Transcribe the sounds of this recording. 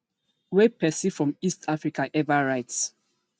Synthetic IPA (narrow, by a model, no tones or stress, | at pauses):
wepɛsifɹɔ̃mistʰafɹikaʔɛvaɹaɪts